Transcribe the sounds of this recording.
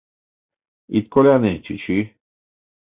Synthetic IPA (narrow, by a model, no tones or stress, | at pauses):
it̪̚koleanet͡ʃʰit͡ʃʰi